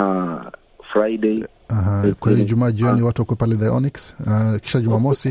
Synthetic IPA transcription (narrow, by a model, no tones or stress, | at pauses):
a | fɾajde | aɦakwaliʄumaːʄiɔniwatuwakuwɛpalɛdajɔ̰niksaki̥ʃaʄumaːmɔsi